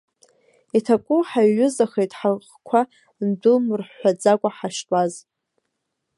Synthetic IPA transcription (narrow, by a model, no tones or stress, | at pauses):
itʰakʷʼʊħaɥʊzaχejtʼħarχkʷʰa | ndʷʊlmɨrħʷad͡zakʷʼaħaʃtʷʼaz